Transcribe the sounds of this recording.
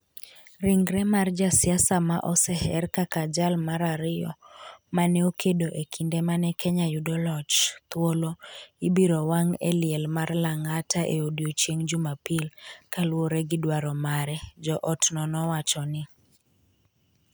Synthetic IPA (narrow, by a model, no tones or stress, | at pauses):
ɾiŋɡɾɛmard͡ʒasɪasamaʔɔsɛhɛrkakad͡ʒalmaɾaɾɪjɔ̰manɛokedoʔekʰindemanɛkʰɛɲajudɔlɔt͡ʃt̪woloibiɾowaŋḛlɪɛlmarlaŋataʔḛodjot͡ʃjeŋd͡ʒʊmapilkalwoɾɛɡɪdwaɾɔmaɾɛd͡ʒɔʔɔtnɔnɔwat͡ʃɔnɪ